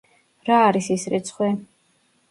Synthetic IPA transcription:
ɾaːɾisisɾit̪sʰχwɛ

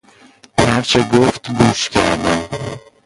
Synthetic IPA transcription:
hæɾt͡ʃʰeɡoft̪ɡuːʃcʰæɾd̪æm

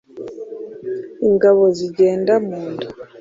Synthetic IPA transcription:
iŋɡaβoziɟeːndamuːndu

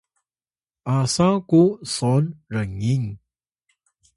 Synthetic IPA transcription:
ʔasakusɔnɾəŋiŋ

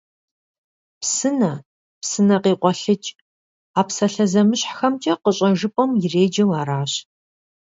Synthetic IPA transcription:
psɨnɐ | psɨnɐqiːqʷɔɬɨt͡ʃʼ | aːpsɐɬɐzɐmɨɕħxɐmt͡ʃʼɐqəɕʼɐʒɨpʼɔmjɪreːd͡ʒɐwaːɾaːɕ

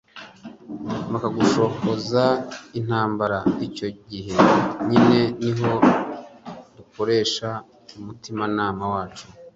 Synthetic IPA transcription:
makaɡuʃo̞hozain̥haːmbaɾaico̞ɟiɦe̞ɲine̞niɦo̞ | duko̞ɾe̞ːʃa | umutimanaːmawaːt͡ʃu

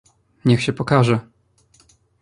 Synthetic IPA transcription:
ɲɛxɕɛpɔkaʐɛ

